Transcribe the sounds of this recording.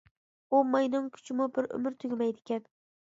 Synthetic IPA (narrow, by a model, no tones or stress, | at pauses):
ʊmajnʊŋkʲʰʊ̥t͡ʃʰɪmʊbɪɾʊ̰mɪɾt̪ʰʊɡʲmajd̪ɪkʲʰan